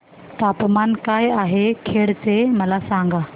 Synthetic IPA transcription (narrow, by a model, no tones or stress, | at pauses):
t̪aːpmankaːjaːɦekʰeːɽt̪emɐlasãŋɡa